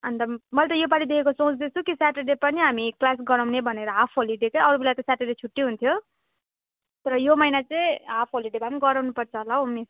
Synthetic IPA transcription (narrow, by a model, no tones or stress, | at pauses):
ʌnt̪ʌmʌlt̪ʌjobaɽid̪ekʰekosõt͡sd̪et͡sʰukisaʈeɖepʌniɦamiklas̬ɡʌɾʌwnebʱʌneɾʌapʰɦoliɖekeʌɾubelat̪ʌsaʈeɖet͡sʰuʈːiɦunt̪ʰjo | t̪ʌɾʌjomʌjnat͡sʌĩapʰɦoliɖebamiɡʌɾawnupʌrt͡sʰʌɦlaɦomis